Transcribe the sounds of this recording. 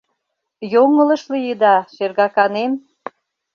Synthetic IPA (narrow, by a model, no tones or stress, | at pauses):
joŋə̆lə̆ʃlijəd̪ɑʃerɣɑkɑnem